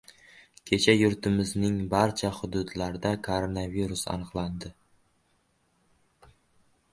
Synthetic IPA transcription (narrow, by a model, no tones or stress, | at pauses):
kʲʰe̞t͡ʃʰajʊɾt̪ʰɪmɪznɪŋbaɾt͡ʃʰahʊd̪ʊd̪laɾd̪akʰoɾonaviɾʊsa̰nɨqlˠand̪ɪ